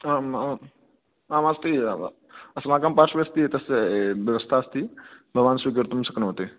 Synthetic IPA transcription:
ama | aːmast̪i | ɐsmaːkaːmpaɾʃʋjɐst̪iet̪ɐsʋjɐʋəst̪ʰast̪ibʱəɡʋaːnsʋiɡəɾt̪msəknɐɦot̪e

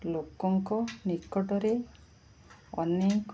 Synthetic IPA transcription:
lokɔŋkɔnikɔʈɔɾe | ɔ̰nek

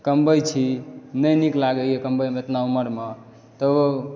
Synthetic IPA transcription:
kəmbəjt͡ʃʰinəjniklaɡəjekəmbəjmeet̪nauməɾme | t̪əo

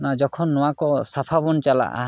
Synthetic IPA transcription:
nad͡ʒɔkʰɔnːɔwakɔsapʰabɔnt͡ʃala̰ʔa̰

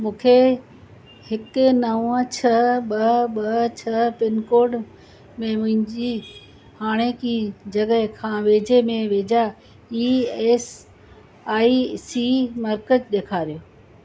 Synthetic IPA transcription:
mũːkʰe | hɪkʊnɐ̃ə̃t͡ɕʰɐɓɐɓɐt͡ɕʰɐpɪnkoːɾɖ | mẽmʊ̃ɦɪ̃ɲd͡ʑi | haːɽ̃ekid͡ʑɐɠəɦkʰãːʋeːd͡ʑemẽʋeːd͡ʑa | iːeːs | aːisimɐɾkəd͡ʒɗeːkʰaːɾijoː

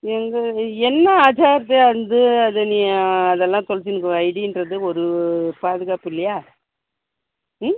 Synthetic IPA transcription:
ɛŋɡɐɛnːɐaːd͡ʒaːɾt̪ːeɐnd̪ɯɐðɐniɐðɛlːãːt̪ɔɭt͡ʃːɪnɯkːɯʋɐjɽindrɐðɯɔɾɯpaːðɯɣaːpɪlːɐjaː | m

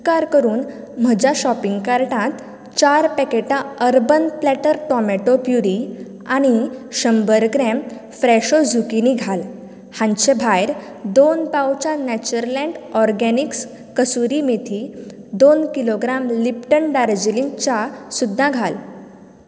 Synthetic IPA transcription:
kaɾkəɾuːn | m̤əd͡ʑaɕɔpiŋɡkaɾʈãt̪ | t͡ɕaɾpɛkeʈãəɾbənplɛʈəɾʈɔmɛʈopjuɾi | aɽ̃iɕəmbəɾkɾɛm | fɾɛɕod͡zʱukiniɡʱal | hãnɕebʱajɾ | d̪onpawt͡ɕanɛt͡ɕəɾlɛ̃ɳɖɔɾɡɛniks | kəsuɾimet̪ʰi | d̪onkiloɡɾamlipʈəɳɖaɾd͡ʑilĩŋt͡ɕasud̪ʱːãɡʱal

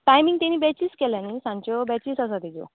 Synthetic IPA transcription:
ʈajmiŋɡt̪aniːbɛt͡ɕiːskɛljãnisãɲt͡ɕɔbɛt͡ɕiːsəs̬at̪id͡zo̰

